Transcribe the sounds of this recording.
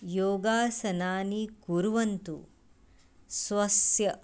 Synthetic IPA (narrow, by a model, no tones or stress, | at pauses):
joːɡaːsɐnaːnikuɾuʋɐnt̪ṵ | sʋɐsjɐ